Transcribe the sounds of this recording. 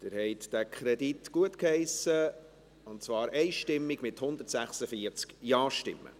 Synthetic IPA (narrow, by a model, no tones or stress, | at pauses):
d̥ɪɾhɛɪt̪d̪̥ækʰχɾɛditɡ̥uətkhɛɪsə | ʊntt͡svɑːɾʔɛɪʃtɪmːiɡ̥mɪt̪hʊnd̪ətsæχsəfiəɾt͡skjɑːʃtɪ̰mːə̰